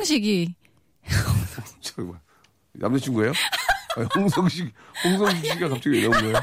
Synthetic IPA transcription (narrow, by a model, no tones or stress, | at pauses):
ŋɕ̬ʰiɡi | oŋsŋt͡ɕima | na̰mdet͡ɕʰinɡʌe̞joaoŋsʰʌŋɕʰiɡhoŋs̬ʰʌŋɕ̬ʰik̚ɕʰiɡiɡakap̚t͡ɕ͈ʌɡijeɲaunɡʌeo